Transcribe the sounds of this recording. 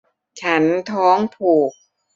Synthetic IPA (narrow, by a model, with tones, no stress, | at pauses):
t͡ɕʰa˦˥nt̪ʰɔː˦˥ŋpʰuː˨˩k̚